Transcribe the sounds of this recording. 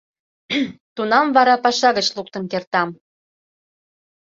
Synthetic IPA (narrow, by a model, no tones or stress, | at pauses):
t̪unɑmvɑɾɑpɑʃɑɣət͡ɕluk̚t̪ənkert̪ɑm